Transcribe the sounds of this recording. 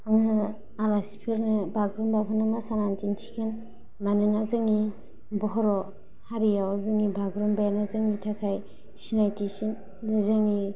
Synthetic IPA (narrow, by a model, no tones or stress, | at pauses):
aŋɯ | alasipʰiɾnɯbʱaɡɾumbakʰɯnɯmasanantintʰi̥kʰen | manɯnazɯŋi | bɔɦɔɾɔ | haɾijawzɯŋibʱaɡɾumbajanazɯŋitʰakʰaj | sinajtisin | dɯzɯŋi